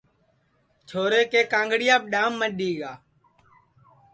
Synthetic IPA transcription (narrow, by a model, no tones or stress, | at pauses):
t͡ʃʰoːɾeːkeːkãːŋɡɽɪjaːɓ̚ɗaːmːəɗiːɠaː